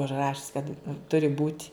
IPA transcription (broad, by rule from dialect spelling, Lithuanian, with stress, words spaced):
ʊʒˈrɑːʃʲɪs kɐt ˈtʊrʲɪ buːtʲ